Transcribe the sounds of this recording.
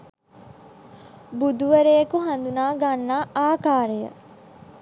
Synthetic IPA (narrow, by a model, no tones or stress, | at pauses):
bud̪uʋəɾejekuɦand̪unaːɡanːaːaːkaːɾejə̰